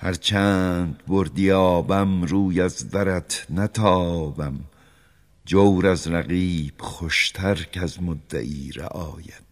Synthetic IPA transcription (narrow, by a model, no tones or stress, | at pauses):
hæɾt͡ʃʰæːnd̪boɾd̪ijɑɒːbæmɾuːjæzd̪æɾæt̪ʰnæt̪ʰɒːbæm | d͡ʒowɾæzɾæɣiːb̥χoʃt̪ʰæɾcæzmod̪ːæ̰ʔiːɾæ̰ʔɒːjæd̪̥